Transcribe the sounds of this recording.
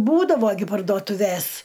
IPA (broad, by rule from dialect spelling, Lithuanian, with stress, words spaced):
ˈbuːdɐʋoː ɡʲɪ pɐrduɔtʊˈʋʲeːs